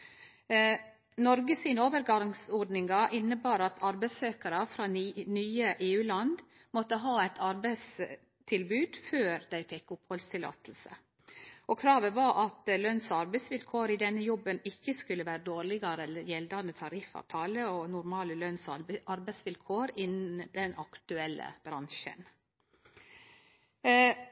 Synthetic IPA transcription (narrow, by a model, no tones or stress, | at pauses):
nɔɾɡəsiːnəoːʋəɾɡɑŋsɔɖnɪŋɡɑʔɪnːəbɑːɾɑt̪ʰɑɾbæɪsøːkɑɾɑfɾɑːnyːəʔeːʉːlɑnd̪ | mɔt̪ːəɦɑːæt̪ʰɑɾbæɪs | t̪ʰɪlbʉːd̪føːɾd̪æɪfɛkːʊphɔlst̪ʰɪlɑ̰ːt̪əl̩sə̰ | ʔɔkʰɾɑːʋəʋɑɾʔɑt̪lœnsɑɾbɛɪsʋɪlkʰoːɾɪd̪ɛnːəjɔbːənɪçːəskʉləʋæːɾəd̪oːɾɭɪɡɑɾəjɛld̪ɑnət̪ʰɑɾɪfːɑ̰ːʋt̪ʰɑːləɔnʊɾmɑːləlœnsɑɾbæɪsʋɪlkʰoːɾɪnn̩d̪ɛnɑkt̪ʉɛlːə̰b̥ɾɑŋʃə̰n